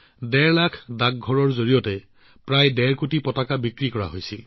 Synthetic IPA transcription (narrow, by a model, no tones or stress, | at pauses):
dɛɹlakʰdak̚ɡʱɔɹɔɹzoɹijɔtɛ | pɹajdɛɹkutipɔtakabikɹikɔɹa̰ɦojsi